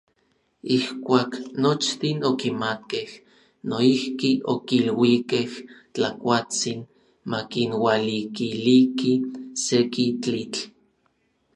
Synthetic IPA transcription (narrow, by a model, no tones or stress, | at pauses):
ihkʷaːknot͡ʃt̪inokimat̪̚keh | noihkiʔokilwikeht͡ɬakʷat͡sin | makinwalikilikisekit͡ɬit͡ɬ